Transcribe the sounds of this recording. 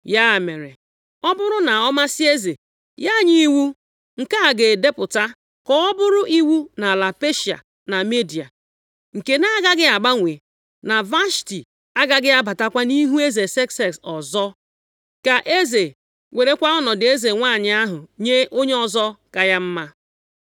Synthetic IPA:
ja˦˨me˨ɾḛ˨ | ɔ˦bʊ˦ɾʊ˦na˨ɔ˦ma˦sɪ˦e˦ze˨ | ja˦˨ɲi˦wu˦ | ŋ̩˨ka˦a˨ɡe˨de˦pʊ˨ta˦ | kɔ˦ɔ˦bʊ˦ɾʊ˦ʔi˦wu˦na˨la˨pe˦ʃi˨a̰˨ | na˨me˦di˨a̰˨ | ŋ̩˨ke˦na˦ɡa˦ɡɪ˦a˨ɡ͡ba˦ŋʷe˨ | na˨va˦ʃti˨ | a˦ɡa˦ɡɪ˦a˦ba˨ta˦kʷa˦ni˦ɦu˦e˦ze˨se˦kse˨ksɔ˨zɔ˦ | ka˨ʔe˦ze˨ | we˨ɾe˦kʷa˦ɔ˦nɔ˨dɪ˨˦e˦ze˨ŋʷa˦˨ɲɪ˨a˦ɦʊ˨ɲe˦ʔo˦ɲe˦ɔ˨zɔ˦ka˨ja˦m̩˦ma˦

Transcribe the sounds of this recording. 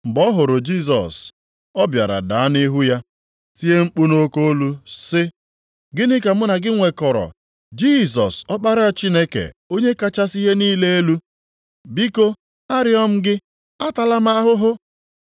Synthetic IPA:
m̩˨bɔ˦ɦʊ˨ɾʊ˨d͡ʒi˦˨s̬ɔ̰˨s | ɔ˦bja̰˨ɾa̰˨da˨a˦ni˦ɦu˦ja˦ | ti˦e˦ŋ͡m̩˦k͡pu˦no˦ko˦o˦lu˦sɪ˦ | ɡɪ˦nɪ˦ka˨mʊ˦na˨ɡɪ˦ŋʷe˨kɔ˨ɾɔ̰˨ | d͡ʒi˦˨s̬ɔ˨sɔ˦k͡pa˦ɾa˦a˦˨t͡ʃi˦ne˦kḛ˨o˦ɲe˦ka˦t͡ʃa˦si˦ɦe˦niː˦le˦e˦lu˦ | bi˦ko˦ | a˦ɾɪ˦ɔ˦m̩˦ɡɪ˦ | a˦ta˨la˦m˦a˦ɦʊ˦ɦʊ˦

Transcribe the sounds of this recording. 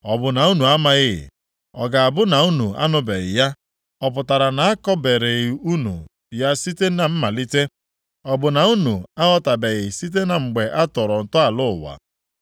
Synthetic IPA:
ɔ˨bʊ˨na˨u˦nu˨a˦ma˦ɣɪ˦ɣɪ̰˨ | ɔ˨ɡa˨a˨bʊ˦na˨u˦nu˨a̰˦nʊ˦be˨ɣɪ̰˨ja˦ | ɔ˨p̬ʊ˨ta˨ɾa˨na˨a˦kɔ˦be˨ɾe˨ɣi˨u˦nṵ˨ | ja˦si˦te˦na˨m̩˦ma˨li˦te˦ | ɔ˨bʊ˨na˨u˦nu˨a˦ɣɔ˦ta˨be˨ɣɪ˨si˦t̬e˦na˨ŋ͡m̩˨ɡ͡be˨ʔa˦tɔ˨ɾɔ˨n̩˨tʊ˦a˨lʊ˦ʊ̰˨wa̰˨

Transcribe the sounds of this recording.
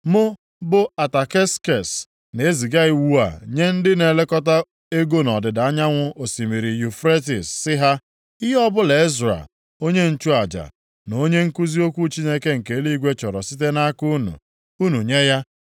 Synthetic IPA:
mʊ˦ | bʊ˦a˨ta˨ke˦ske˨s | ne˦zi˨ɡa˦i˦˨wu˦a̰˨ɲe˦n̩˦dɪ˦ne˨le˦kɔ˦ta˦ | e˦ɡo˦nɔ˨dɪ˨da˨a˦ɲa˦ŋʷʊ˦o˨si˨mi˨ɾi˨ju˨fɾe˦ti˨sːɪ˦ɦa˦ | i˦ɦɔ˦bʊ˦le˨i˦zɾa̰˨ | o˦ɲe˦n̩˦t͡ʃu˦a˨d͡ʒa̰˨ | no˨˦ɲe˦ŋ̩˦ku˦zi˦o˦kʷu˦t͡ʃi˦ne˦ke˦ŋ̩˨ke˨˦li˦ɡʷe˦t͡ʃɔ˨ɾɔ˨si˦t̬e˦na˦ku˦nṵ˨ | u˦nu˨ɲe˦ja˦

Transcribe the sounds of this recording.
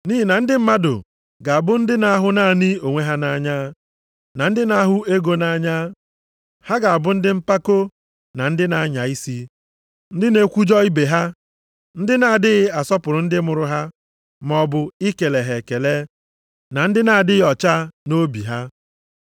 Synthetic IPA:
ni˦ɦi˨na˨n̩˦dɪ˦m̩˦ma˦dʊ̰˨ | ɡa˨a˨bʊ˦n̩˦dɪ˦na˦ɦʊ˦na˦˨nɪ˦o˨ŋʷe˦ɦa˦na˦ɲa˦ | na˨n̩˦dɪ˦na˦ɦʊ˦e˦ɡo˦na˦ɲa˦ | ha˦ɡa˨a˨bʊ˦n̩˦dɪ˦m̩˦pa˦ko˦ | na˨n̩˦dɪ˦na˨˦ɲa˨i˦si˦ | n̩˦dɪ˦ne˦kʷu˦d͡ʒɔ˦i˦be˨ɦa˦ | n̩˦dɪ˦na˨dɪ˦ɣɪ˦a˨sɔ˦pʊ˨ɾʊ˨n̩˦dɪ˦mʊ˨ɾʊ˦ɦa˦ | m˦ɔ˦bʊ˦i˦ke˨le˨ɦe˨ke˨le˦ | na˨n̩˦dɪ˦na˨dɪ˦ɣɔ˨t͡ʃa˦no˦bi˨ɦa˦

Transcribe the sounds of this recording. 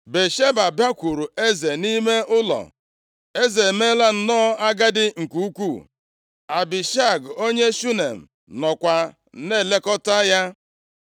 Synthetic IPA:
be˨ʃe˦ba˨bja˦kʷu˨ɾu˨e˦ze˨ni˦me˦ʔʊ˦lɔ̰˨ | e˦ze˨me˦la˦n̩˨nɔː˦a˦ɡa˦dɪ˦ŋ̩˨ku˦u˦kʷu˦˨ | a˨bɪ˨ʃa˦˨ɡo˦ɲe˦ʃu˦ne˨m̩˨ | nɔ˨kʷa˨˦ | ne˦˨le˦kɔ˦ta˦ja˦

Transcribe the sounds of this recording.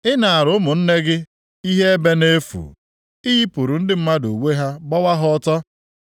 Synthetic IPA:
ɪ˦na˨a˨ɾʊ˨ʊ˦mʊ˨n̩˦ne˦ɡɪ˦ | i˦ɦe˦e˦be˦ne˦fṵ˨ | i˦ɦi˦pu˨ɾu˨n̩˦dɪ˦m̩˦ma˦do˨we˦ɦa˦ɡ͡bɔ˦wa˦ɦʊɔ˦tɔ˦

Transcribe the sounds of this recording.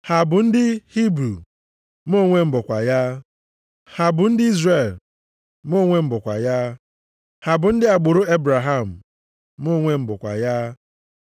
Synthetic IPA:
ha˨bʊ˨n̩˦dɪ˦hi˦bɾu˨ | m˦o˦˨ŋʷe˦m̩˨bʊ˨kʷa̰˨ja˦ | ha˨bʊ˨n̩˦dɪ˦i˦zre˨l | mo˦˨ŋʷe˦m̩˨bʊ˨kʷa̰˨ja˦ | ha˨bʊ˨n̩˦dɪ˦a˨ɡ͡bʊ˨ɾʊ˦e˦bɾa˨ɦa˦˨m̩˨ | m˦o˦˨ŋʷe˦m̩˨bʊ˨kʷa̰˨ja˦

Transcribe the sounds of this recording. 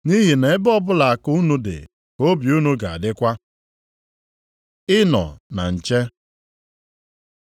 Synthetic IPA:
ni˦ɦi˨ne˨ɪ˦bɔ˦bʊ˦la˨a˨ku˦nu˦dɪ̰˨ | o˦bju˦nu˦ɡa˨a̰˨dɪ˦kʷa˦ | ɪ˦nɔ̰˨na̰˨n̩˨t͡ʃe˦

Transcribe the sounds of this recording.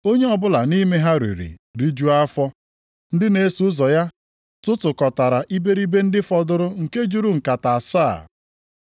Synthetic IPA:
o˦ɲe˦ɔ˨bʊ˦la˨ni˦me˦ɦa˦ɾḛ˨ɾḭ˨ɾi˦d͡ʒu˦a˦fɔ˦ | n̩˦dɪ˦ne˨˦su˨˦zɔ˨ja˦ | tʊ˦tʊ˨kɔ˨ta˨ɾa˨ʔi˦be˦ɾi˦be˦n̩˦dɪ˦fɔ˨dʊ˦ɾʊ˦ŋ̩˨ke˦d͡ʒu˦ɾu˦ŋ̩˨ka˨ta˨a˨sa˦˨

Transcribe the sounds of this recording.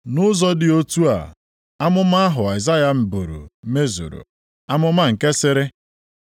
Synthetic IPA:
nʊ˦zɔ˦dɪ˨o˦tu˦a̰˨ | a˦mʊ˦m˦a˦a˦ɦʊ˨a˨ɪ˨za˦ja˦m̩˨bu˨ɾṵ˨me˦zṵ˨ɾṵ˨ | a˦mʊ˦ma˦ŋ̩˨ke˦sɪ˦ɾɪ˦

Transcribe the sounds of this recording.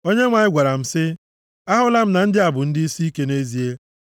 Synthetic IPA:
o˦ɲe˦ŋʷa˨ɲɪ˦ɡʷa˨ɾa˨m̩˨sɪ˦ | a˦ɦʊ˦la˦m̩˦na˨n̩˦dɪ˦a˨bʊ˨n̩˦dɪ˦i˦si˦i˦ke˦ne˦zi˨e˦

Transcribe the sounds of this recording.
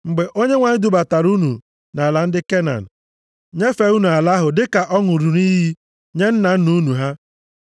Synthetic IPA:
ŋ͡m̩˨ɡ͡be˨ʔo˦ɲe˦ŋʷa˨ɲɪ˦du˨ba˨ta˨ɾu˦nṵ˨ | na˨la˨n̩˦dɪ˦ke˦na̰˨n̩˨ | ɲe˦fe˨u˦nu˨a˨la˦ɦʊ˨dɪ˦ka˨ʔɔ˦ŋʊ˨ɾu˨ɾi˦ɦi˦ | ɲe˦n̩˦na˨n̩˦nu˦nu˨ɦa˦

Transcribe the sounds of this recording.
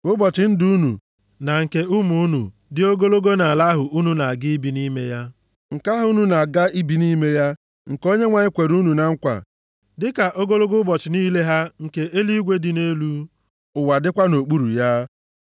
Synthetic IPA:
ʊ˦bɔ˨t͡ʃɪ˨n̩˦du˦nṵ˨ | na˨ŋ̩˨ke˦ʊ˦mu˦nṵ˨ | dɪ˦o˦ɡo˦lo˦ɡo˦na˨a˨la˦ɦʊ˨ʔu˦nu˦na˨ɡɪ˦i˦bi˨ni˦me˦ja˦ | ŋ̩˨ka˦ɦʊ˦nu˦na˨ɡa˦i˦bi˨ni˦me˦ja˦ | ŋ̩˨ko˦ɲe˦ŋʷa˦˨ɲɪ˦kʷe˨ɾu˦nu˨na˨ŋ̩˦kʷa̰˨ | dɪ˦ka˨ʔo˦ɡo˦lo˦ɡʊ˦bɔ˨t͡ʃɪ˨niː˦le˦ɦa˦ŋ̩˨ke˨e˦li˦ɡʷe˦dɪ˨ne˦lu˦ | ʊ˨wa˨dɪ˦kʷa˦no˨k͡pu˦ɾu˨ja˦

